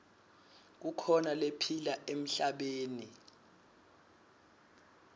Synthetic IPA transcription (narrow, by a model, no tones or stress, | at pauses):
k̬ukʰɔnalepʰilaʔem̩ɬaɓeːni